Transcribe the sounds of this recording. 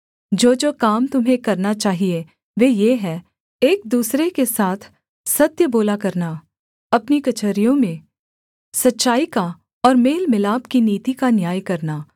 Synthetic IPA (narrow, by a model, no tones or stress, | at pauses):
d͡ʒoːd͡ʒoːkaːmt̪ʊmɦẽkɐɾnat͡ʃaːɦie | ʋeːjeɦɛ | eːk̚d̪uːsɾekesaːt̪ʰ | sɐt̪jəboːlakɐɾna | ɐpnikɐt͡ʃəɾijõmẽ | sɐtːʃaːika | ɔːɾmeːlmɪlaːbkiniːt̪ikanjaːjkɐɾnaː